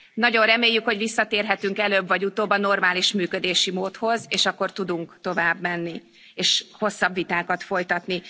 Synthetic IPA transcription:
nɒɟo̞nrɛmeːjːykho̞ɟvisːɒt̪eːrɦɛt̪yŋkɛløːbvɒɟut̪oːbɒno̞rmaːliʃmyːkød̪eːʃimoːt̪ho̞zeːʃɒkːo̞rt̪ud̪uŋkt̪o̞vaːbmɛnːi | eːʃho̞sːɒbvit̪aːkɒt̪fo̞jt̪ɒt̪ni

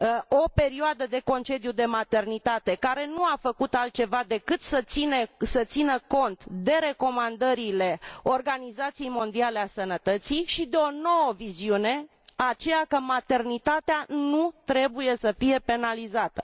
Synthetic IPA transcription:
o̞pe̞ɾioad̪əd̪e̞ko̞nt͡ʃe̞d̪ijud̪e̞mat̪e̞rnit̪at̪e̞kaɾe̞nuafəkut̪alt̪̚t͡ʃe̞vad̪e̞kɨt̪səsinesət̪sinəko̞nt̪d̪e̞ɾe̞ko̞mand̪əɾile̞o̞rɡanizat̪sijejmo̞nd̪iale̞asənət̪ət̪siʃid̪eo̞no̞wəviziune̞ | at͡ʃe̞jakəmat̪e̞rnit̪at̪eanut̪ɾe̞buje̞səfije̞pe̞nalizat̪ə

